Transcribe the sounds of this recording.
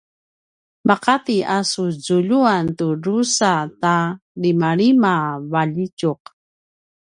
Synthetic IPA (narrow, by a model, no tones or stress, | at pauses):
maqat̪iʔasuzuʎuantuɾusatalimaɭimavaʎicuq